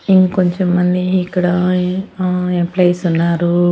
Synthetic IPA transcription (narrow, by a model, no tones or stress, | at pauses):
iŋkkoɲt͡ʃemːɐnd̪iːkːɐɽa | emplejsunːaːɾu